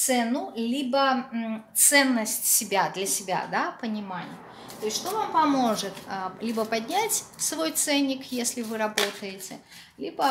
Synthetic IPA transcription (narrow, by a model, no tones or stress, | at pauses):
t̪sɛnʊlʲibɐt̪sɛnːəsʲtʲsʲɪbʲad̪lʲɐsʲɪbʲa̰d̪apənʲɪmanʲɪ̰j | t̪ojɪsʲʂt̪ovampɐmoʐɨt̪lʲibɐpad̪ʲnʲat͡sʲsvojt̪sɛnʲːɪkjesʲlʲɪvɨɾabot̪əjɪt͡sʲɪ | lʲibɐ